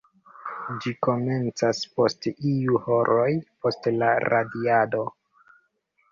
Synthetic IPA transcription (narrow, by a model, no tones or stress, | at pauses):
d͡ʒiko̞me̞nt͡saspo̞stiuho̞ɾʔo̞jpo̞stlaɾadiado̞